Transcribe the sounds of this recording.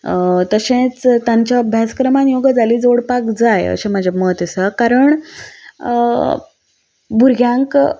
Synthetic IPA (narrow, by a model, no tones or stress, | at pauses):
t̪əɕẽt͡st̪jaɲt͡ɕjabʱjaskɾəmanjoɡəd͡zʱaliːd͡zoɽpakd͡zajə̰ɕẽmad͡ʑʱaməɦət̪jəsəkaɾəɳ | bʱuɾɡʱjãŋk